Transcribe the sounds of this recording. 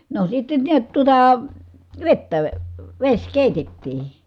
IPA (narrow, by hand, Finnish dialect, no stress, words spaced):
no sitːen niæt tuŏtɑ ʋetːæ ʋesʲ keˑitetːiː